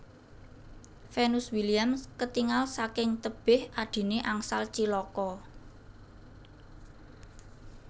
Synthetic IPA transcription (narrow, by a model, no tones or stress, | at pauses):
fɛnuswiliamskət̪iŋalsakɪŋt̪əb̥ɪhʔaɖ̪̥i̤neʔaŋsalt͡ʃilɔkɔ